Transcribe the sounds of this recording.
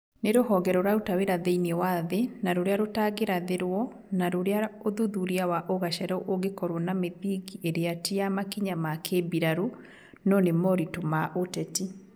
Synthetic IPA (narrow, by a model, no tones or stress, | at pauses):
neɾohɔɣɛɾɔɾaotaweɾaðeinewaðenaɾoɾeaɾotaɣeɾaðeɾwɔ | naɾoɾeaoðuðuɾiawaʔoɣaʃɛɾɔʔoɣekɔɾwɔnameðiɣiʔeɾeatiamakiɲamakʰebiɾaɾu | nɔnemɔɾitomaʔotɛti